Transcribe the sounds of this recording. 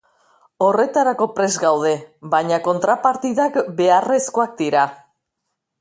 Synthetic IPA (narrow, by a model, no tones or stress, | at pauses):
o̞re̞t̪aɾako̞pɾe̞zɣawð̞e̞βaɲako̞nt̪ɾapaɾt̪iðakbe̞are̞sko̞ak̚d̪iɾa